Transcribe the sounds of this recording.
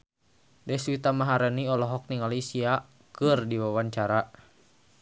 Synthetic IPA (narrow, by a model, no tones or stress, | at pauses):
dɛswit̪amaɦaɾəniɔlɔɦɔk̚niŋalisia | kɨrdiwawaɲt͡ʃaɾa